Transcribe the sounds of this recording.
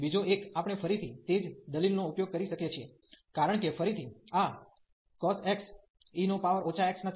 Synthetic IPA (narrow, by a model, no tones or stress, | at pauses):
bid͡ʒoekapɳ̃efəɾit̪ʰit̪ed͡ʒd̪əlilnoupjoɡ̚kəɾiʃəkjet͡ʃʰie | kaɾəɳkefəɾit̪ʰia | kɔseks | inopaʋəɾot͡ʃʰaeksna